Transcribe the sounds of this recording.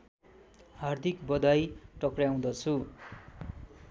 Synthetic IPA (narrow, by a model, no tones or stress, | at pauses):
hard̪ʱikbʌd̪ajʈʌkrjaw̃d̪ʌt͡sʰu